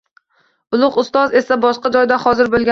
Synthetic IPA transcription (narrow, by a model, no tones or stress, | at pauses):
ʊlˠʊqʊst̪ɒze̞sabɒʃqɑd͡ʒɒjd̪ahɒzɪɾbolˠɡʲa